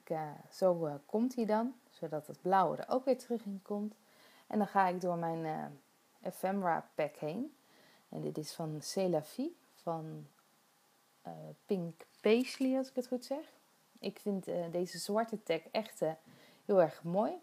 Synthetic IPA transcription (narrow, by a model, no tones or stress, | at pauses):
kz̥owkɔmtɦiːdɑn | z̥odɑtəd̚blawə̰də̰ɹo̰wkʋɪːɹtərɵχɪnkɔmt | ʔɛ̰ndɑnχaːɪɡdʊːɹmɛjn | ʔɛfɛmɹa̰ːpɛkhejn | ɛ̰ndɪtɪsfɑnselafi | fɑn | pɪŋkpejsliɑlˠsɪ̥kətχutsɛχ | ʔɪkfɪntdejzəzwɑɹtətɛkɛχt | ɦɪːlˠɛɹχmoːj